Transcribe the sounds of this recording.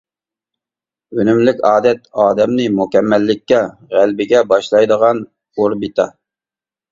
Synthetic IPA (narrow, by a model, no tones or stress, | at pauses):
ønymlɪkʲɑːd̪ɛt̪ɑːd̪ɛmnɪmukʲɛmːɛlːɪkʲːɛ | ʁælbɪɡʲɛbɑʃlˠɑjd̪əʁɑn | oɾbɨt̪ʰɑ̰